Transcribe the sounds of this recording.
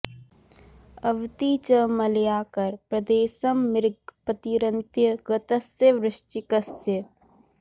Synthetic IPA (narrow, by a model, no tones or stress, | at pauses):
ɐʋt̪it͡ʃəmɐljaːkɐɾpɾɐd̪eːsɐmːɪɾɡpət̪iɾɐnt̪jəɡɐt̪ɐsjəʋɾɪʃʈikɐsjə